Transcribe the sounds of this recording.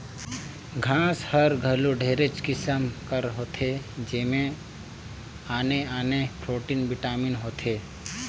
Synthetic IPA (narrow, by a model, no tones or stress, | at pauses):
ɡʱãːshəɾɡʱəluɖʱeːɾet͡ʃkɪsəmkəɾɦoːt̪ʰed͡ʒeːmẽ | aːneaːnepɾoːʈinbɪʈaːminɦoːt̪ʰeː